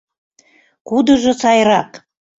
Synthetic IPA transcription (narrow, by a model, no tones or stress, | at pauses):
kud̪ə̆ʒŏsɑjɾɑk